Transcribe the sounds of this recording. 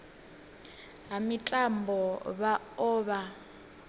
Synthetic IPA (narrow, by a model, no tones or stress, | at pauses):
ɦamitʼambʱɔβa | ɔːβa